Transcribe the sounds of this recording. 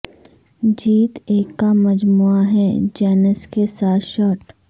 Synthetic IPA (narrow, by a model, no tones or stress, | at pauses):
d͡ʒiːt̪eːkːamɐd͡ʒmuːaɦɛd͡ʒɛːnəskesaːt̪ʰʃɔːʈ